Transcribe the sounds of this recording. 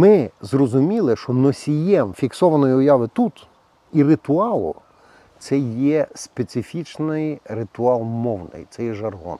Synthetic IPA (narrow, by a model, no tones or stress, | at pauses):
mɪzrɔzʊmʲilˠɪʃt͡ʃɔnɔsʲijɛmfʲiksɔʋɐnɔjiʊjɑʋɪt̪ut̪ | irɪt̪ʊɑlˠʊ̰ | t̪sɛjɛspesʲɪfʲit͡ʃnɪjrɪt̪ʊɑlˠmɔwnɪ̰jt̪sɛjɛʒɐrɦɔ̰n